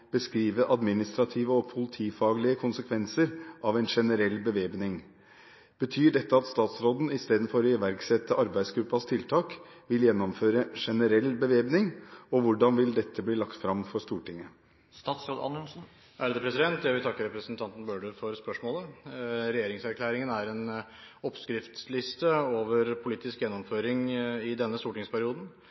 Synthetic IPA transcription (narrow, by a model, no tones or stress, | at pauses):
b̥əskɾiːʋəʔɑd̪mɪnɪst̪ɾɑt̪ʰiːʋəɔpʰʊlɪt̪ʰiːfɑːɡəlɪəkʰʊnsəkʰʋɛnsəɾʔɑʋɛɪnʂɛnəɾɛlːbəʋeːbnɪŋ | b̥ət̪ʰyːɖɛt̪ːəɑt̪st̪ɑːt̪sɾoːd̪n̩ɪst̪eːd̪n̩fɔɾɔɪʋæɾksɛt̪ːəʔɑɾbæɪsɡɾʉpːɑst̪ʰɪlt̪ʰɑːk | ʋɪljɛnːɔmføːɾəʂɛnəɾɛlːbəʋeːbnɪŋɔʋʊɖɑnʋɪld̪ɛt̪ːəbliːlɑkt̪fɾɑmfɔʂt̪uːʈɪŋːə | st̪ɑːt̪sɾoːd̪ɑ̰nənsn̩ | æd̪əpɾɛsɪd̪ɛnt̪jæʋɪlt̪ɑkːəɾɛpɾəsnt̪ʰɑnt̪n̩bøːɖʉfɔɾspœʂmoːləɾɛjeːɾɪŋsæɾkʰlæːɾɪŋənæɾɛn | ɔpskɾɪft̪slɪst̪əoːʋəɾpʰʊliːt̪ɪskjɛnːɔmføːɾɪŋɪd̪ɛnːəst̪uːʈɪŋspʰæɾɪuːd̪n̩